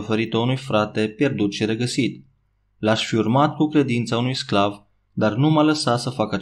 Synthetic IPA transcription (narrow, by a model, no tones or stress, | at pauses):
fəɾit̪əunujfɾat̪e̞pje̞rd̪ut̪ʃiɾeɡəsit̪ | laʃfiurmat̪kukɾe̞d̪int̪saunujsklav | d̪arnumaləsat̪səfakəa